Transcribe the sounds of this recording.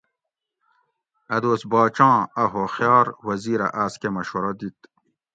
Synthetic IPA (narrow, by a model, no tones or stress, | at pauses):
ɐd̪oːsbɑːt͡ɕɑ̃ːɐɦoxjɑːɾwɐziːɾɐ̰ʔaːskemɐɕoɾɐd̪it̪